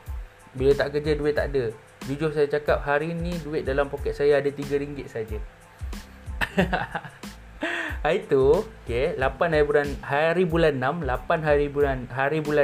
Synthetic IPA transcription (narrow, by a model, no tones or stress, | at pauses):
bilət̪aʔkərd͡ʒaduɪt̪t̪ːa̰ʔada | d͡ʒud͡ʒʊrsajat͡ʃakap̚ɦaɾinĩduɪt̪̚dalampokɛt̪̚sajaːdat̪iɡaɾiŋɡɪt̪̚sad͡ʒa | ait̪uokelapanɦajibulanɦaɾibulanːamlapanɦaɾibulanɦaɾibula